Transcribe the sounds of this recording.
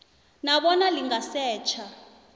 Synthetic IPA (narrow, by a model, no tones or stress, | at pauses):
naɓɔnaliŋasɛːt͡ʃʰa